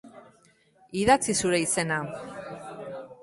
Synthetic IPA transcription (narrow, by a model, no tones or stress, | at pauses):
iðat͡sisuɾe̞ise̞na